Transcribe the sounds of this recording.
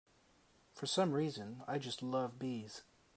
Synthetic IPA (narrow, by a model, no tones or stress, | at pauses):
fə˞sʌ̃mɹizɨ̃na̰ɪd͡ʒʌstˡlʌvbiz̥